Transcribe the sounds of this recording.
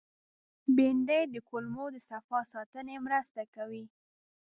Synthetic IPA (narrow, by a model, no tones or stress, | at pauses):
bend̪əjd̪əkʊlmod̪əsafɑsɑt̪ənemɾəst̪akawi